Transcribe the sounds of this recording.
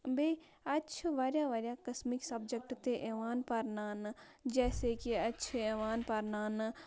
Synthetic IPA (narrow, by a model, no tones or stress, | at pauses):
beː | ɐtːt͡ʃʰʋaːɾjaʋaːɾjakɐsmɪksɐbd͡ʒək̚ʈt̪eʔeːʋaːnpɐɾnaːn | d͡ʒɛːsekiɐtːʃʰeːʋaːnpɐɾnaːn